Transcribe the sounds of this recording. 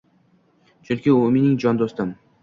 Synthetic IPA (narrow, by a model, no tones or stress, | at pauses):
t͡ʃʰʊɾkʲɪʊmenɪŋd͡ʒɒnd̪ost̪ɪm